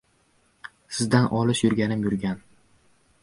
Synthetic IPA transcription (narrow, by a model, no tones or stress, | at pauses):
sɪzd̪anʔɒlɪʃjʊɾɡʲanɪmjʊɾɡʲan